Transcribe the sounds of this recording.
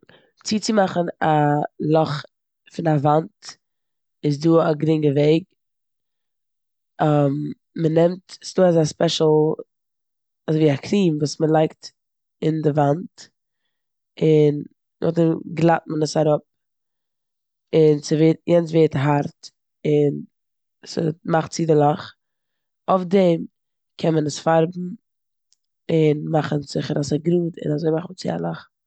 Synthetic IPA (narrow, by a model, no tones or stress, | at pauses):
t͡siːt͡sɪmaχənalˠɔχ | fɪnavant | ɪs̬duːaɡɾɪŋɡəveɪɡ̚ | am | mənɛmtsduːazaspɛʃl̩ˠ | azviːakʰɾiːmvuːsməlˠaɪkt | ɪndɪvant | ɪnː | ʔʊ̰χdɛmɡlˠat̚mənəsaɾʊp̚ | ɪnt͡sɪveːtjɛnt͡sveːtɦaɾt | ɪn | sɪ̰maχtt͡sidɪlˠaχ | ofdɛm | kʰɛnmənəsfaɾbm̩ | ɪnmaχənzɪχəɾasaɡɾuːdɪ̰nazoɪmaχn̩t͡sɪa̰lˠaχ